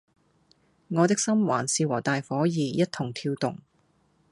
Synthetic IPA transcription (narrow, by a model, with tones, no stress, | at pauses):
ŋɔː˨˧t̪ɪ˥k̚sɐ˥mwa̰ː˨˩nsiː˧wɔː˨˩t̪aː˨jfɔː˨˥jiː˨˧jɐ˥t̚t̪ʰʊ˨˩ŋt̪ʰiː˧wt̪ʊ̰˨˩ŋ